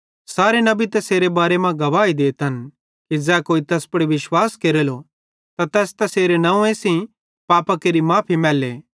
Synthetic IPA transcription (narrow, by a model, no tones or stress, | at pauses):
saːɾenɐbit̪ɛseːɾebaːɾemãɡɐʋaːid̪eːt̪ɦɐn | kid͡zɛːkoːit̪ɛːspɐɽeʋɪʃwaːskeːɾeːlo | t̪at̪ɛːst̪ɛseːɾenɐ̃ũẽsĩ | paːpakeːɾimãːpʰimɛːleː